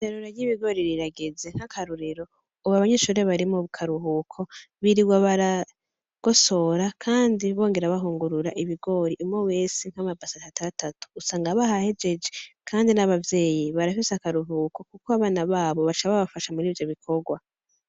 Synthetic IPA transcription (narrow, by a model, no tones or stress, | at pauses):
eɾuɾajiβiɡo̞ːɾiɾiɾaɡeze̞ŋ̥hakʰaɾuɾiɾo̞ | uβaβaɲeʃuɾe̞βaɾimoβukʰaɾuɦuːkʰo̞ | βiɾiɡwaβaɾa | ɡ̥o̞so̞ɾakʰaːndiβo̞ːŋɡe̞ɾaβaɦuːŋɡuɾuɾaʔiβiɡo̞ːɾiʔumŋowe̞ːsiŋ̥hamabasatatatatu̥ːsaːŋɡaβahahe̞d͡ʒe̞d͡ʒe̞kʰaːndinaβavje̞ːjiβaɾafisakaɾuɦuːko̞kukoaβaːnaβaːβo̞βat͡ʃaββafaʃamuɾiːvjo̞βikʰo̞ɡwa